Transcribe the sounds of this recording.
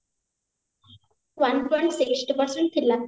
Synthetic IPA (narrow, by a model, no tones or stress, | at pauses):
ʋanpɔ̃jɳʈsɪksʈipəɾsəɳʈ̚t̪ʰilːa